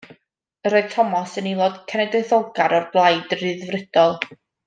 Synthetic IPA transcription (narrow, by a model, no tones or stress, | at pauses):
əɾoɨð̥tʰɔmɔsənilˠɔd̥kʰɛnɛdɨθoɡaɾɔrblˠajdrɨðvrɪd̥ɔlˠ